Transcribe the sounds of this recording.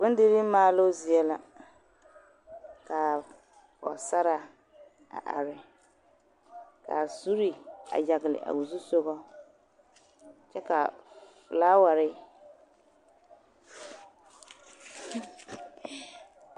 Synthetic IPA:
bʊ˦n˦dɪ˦ɾi˦maː˦lo˦zi˨ɛ˦la˨ | ka˨ | pɔ̰˨sa˦ɾa˨ | a̰˨ʔa̰˨ɾɪ˨ | ka̰˨su˦ɾi˨a̰˨ja˨ɣɪ˨lɪ̰˨ʔa̰˨wu˨zu˦so˦ɣɔ˦ | t͡ʃɛ˦ka˨flaː˦wa˨ɾɪ˦

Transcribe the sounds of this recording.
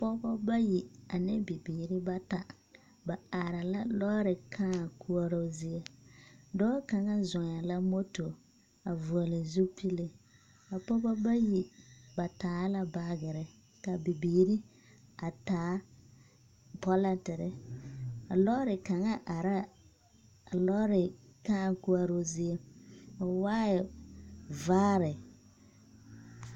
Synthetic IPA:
a˨pɔ˦bɔ˦ba˦ji˨a˨nɛ˦bi˨biː˨ɾɪ˦ba˦ta˨ | ba˨a˨ɾa˨la˦lɔ˦ɾɪ˨kʰã˦˨kʰu˦ɔ˦ɾo˦zi˦ɛ˦dɔ˦ka˨ŋa˦zʊ˨ŋ˨a˨la˦mo˦to˨ | a˨vu˨ɔ˨lɪ˨zu˦pʰi˦le˨ | a˨pɔ˦bɔ˦ba˦ji˨ba˨taː˨˦la˦ba˦ɡɪ˨ɾɪ˨ | ka˨bɪ˨biː˨ɾɪ˦ | a˨taː˨˦ | pɔ˦la˦ntɪ˨ɾɪ˦ | a˨lɔː˦ɾɪ˨ka˨ŋa˦ʔa˨ɾa˦ | a˨lɔ˦ɾɪ˨ka˦˨ŋ˦ku˦a˦ɾo˦zɪ˦e˦ɔ˨waː˦ɪ˨ | vaː˦ɾɪ˨

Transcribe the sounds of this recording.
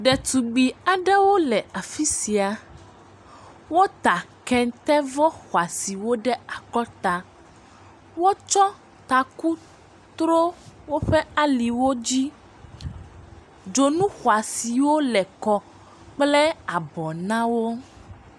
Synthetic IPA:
ɖɛ˨t̪u˨ɡ͡bi˨a˨ɖɛ˦wo˦lɛ˨a˨fi˦si˨a˨ | wo˦t̪a˨kɛ˨ŋ˦t̪ɛ˦vɔ˦xwa˨si˨wo˦ɖɛ˦a˨kɔ˦t̪a˨ | wo˦t͡ʃɔ˦ | t̪a˨ku˦ | t̪ɾo˦wo˦ɸɛ˦a˦li˨wo˦d͡ʑi˦ | d͡ʒo˨nũ˦xwa˨si˨wo˦lɛ˨kɔ˦ | k͡plɛ˦a˨bɔ˨nã˦wo˦

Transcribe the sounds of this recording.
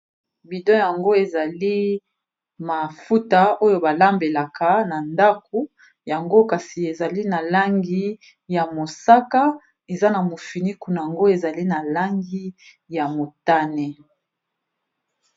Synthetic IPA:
bi˨dɔ˦ja˨ŋɡo˦e˨za˨li˦ | ma˨fu˦ta˨o˦jo˦ba˨la˦mbe˨la˨ka˨na˨nda˦ko˨ | ja˨ŋɡo˦ka˨si˨e˨za˨li˦na˨la˦ŋɡi˦ | ja˨mo˨sa˦ka˦ | e˨za˦na˨mo˨fi˨ni˦ku˦na˨ja˨ŋɡo˦e˨za˨li˦na˨la˦ŋɡi˦ | ja˨mo˨ta˦ne˨

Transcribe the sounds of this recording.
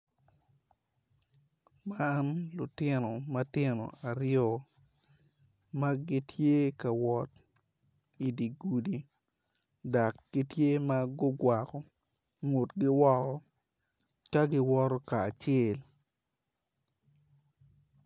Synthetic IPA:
manlʊ˨tɪ˦no˨ma˦tɪ˦no̰˨a˨ɾjɔ˦ | ma˦ɡɪ˦tʰje˦ka˨wɔ˨t̚ | i˨di˨ɡu˨di˨ | da˨kɡ̥ɪ˦tje˦ma˦ɡʊ˦ɡwa˨kɔ˨ | ŋo˨tɡɪ˦wɔ˦kɔ˦ | ka˦ɡɪ˦wɔ˦ɾɔ˦kaː˨t͡ʃɛ˦˨l

